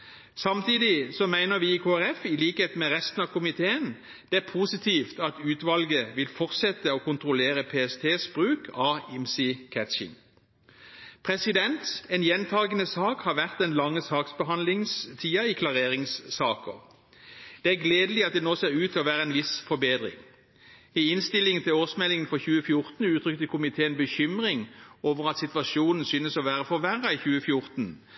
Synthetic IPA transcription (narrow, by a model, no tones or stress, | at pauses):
sɑmt̪ʰiːd̪ɪsɔmæɪnəʁʋiːɪkʰoːæʁɛfɪliːkheːt̪mɛʁɛst̪n̩ɑʋkʰʊmɪt̪ʰeːən | d̪̥ɛæʁpʰuːsɪt̪ʰiːft̪ɑt̪ʉːt̪ʋɑlɡəʋɪlfɔʁsɛt̪əɔkʰʊnt̪ʁʊleːʁəpʰeːɛst̪ʰeːsb̥ʁʉːkʰɑːɪmsikʰæt̪ʃɪ̰ŋ | pʰʁɛsɪd̪ɛnt̪ɛnjɛnt̪ʰɑːlɡənəsɑːkhɑʁʋæʁt̪̚d̪ɛnlɑŋːəsɑːksbəɦɑnlɪŋst̪ʰiːɑɪkʰlɑʁeːʁɪŋsːɑːkə̰ʁ | d̪̥ɛæʁɡleːd̪əlɪɑt̪̚d̪ɛnoːseːʁʉːt̪ʰɪlɔʋæːʁəɛnʋɪsfɔbeːd̪ʁɪ̰ŋ | ɪɪnst̪ɪlɪŋənt̪ʰɪloːsmɛlɪŋənfɔçʉːəfjʊʁt̪n̩ʉːt̪ʰʁʏkt̪əkʰʊmɪt̪ʰeːɛnbəçʏmʁɪŋoːʋəʁɑt̪sɪt̪ʋɑʃuːnn̩syːnəsɔʋæːʁəfɔʋæʁɑiçʉːəfjʊʁt̪n̩